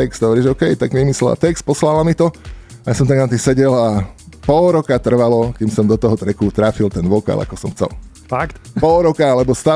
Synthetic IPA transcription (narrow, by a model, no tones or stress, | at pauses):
ɛkst̪ɦɔʋɔɾiːʒɔʊkɛjt̪aɡʋimislɛla̰t̪ɛks̚pɔslalamit̪ɔajaːsɔmt̪aɡnat̪isɛɟɛlapɔlɾɔkat̪r̩ʋalɔkimsɔmd̪ɔt̪ɔɦɔt̪ɾɛkut̪ɾaːfilt̪ɛnʋɔka̰la̰kɔsɔmxt͡sɛ̰l | fakt̪pɔlɾɔkaalɛbɔst̪aː